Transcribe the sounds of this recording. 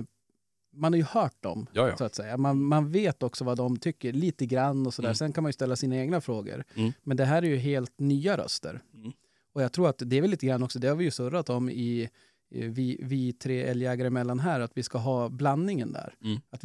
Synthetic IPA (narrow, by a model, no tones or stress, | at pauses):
manhaɾjɵhœːʈ̚d̪ɔ̰msɔat̪sɛjːamanmanveːt̪ɔksɔvad̪ɔmt̪ʰʏkːəɾɭiːt̪əɡɾanːɔsɔd̪æːsɛnkʰanmanjɵst̪ɛlːasiːnaeːɡnafɾoːɡə̰ɾmɛnd̪ɛɦæːɾæɾjɵɦeːlt̪nyːaɾœ̰st̪ə̰ɾ | ɔjɑɡt̪ʰɾuːɾat̪d̪ɛæɾvɛlːiːt̪əɡɾanːɔksɔd̪ɛhaɾvɪjɵsɵɾːat̪ɔmɪ | vɪvɪt̪ʰɾeːɛljɛːɡaɾəɪmɛlːanɦæːɾat̪vɪskaɦɑːblanːɪŋənd̪æ̰ːɾat̪